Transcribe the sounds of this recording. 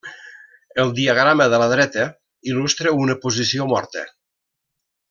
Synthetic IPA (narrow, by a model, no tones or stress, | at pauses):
əlˠd̪iəɣ̞ɾaməðələðɾɛt̪ə | ilust̪ɾəunəpuzisiomɔɾt̪ə̰